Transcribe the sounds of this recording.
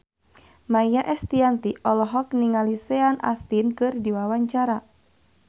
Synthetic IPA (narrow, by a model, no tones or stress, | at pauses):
majjaʔɛst̪iant̪iʔɔlɔɦɔk̚niŋalisɛana̰st̪inkɨrdiwawaɲt͡ʃaɾa